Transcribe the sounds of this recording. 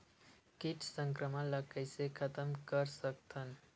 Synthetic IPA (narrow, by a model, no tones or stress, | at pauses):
kɪt͡ʃʰsə̃ŋkɾəmələkəjsekʰət̪əmkəɾsək̚t̪ʰən